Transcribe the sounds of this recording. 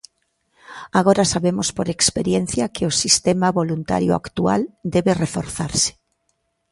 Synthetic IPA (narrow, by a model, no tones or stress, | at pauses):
aɣ̞oɾasaβemʊspoɾekspeɾjen̟θjakɪosist̪emaβolunt̪a̰ɾjʊa̰kt̪ua̰ld̪eβerefoɾθaɾsɪ̥